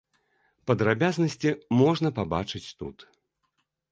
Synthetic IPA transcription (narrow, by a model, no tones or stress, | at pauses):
pɐd̪ɾabʲaznɐsʲt͡sʲimɔʐnɐpaba̰t͡ʂɨt͡sʲt̪ṵt̪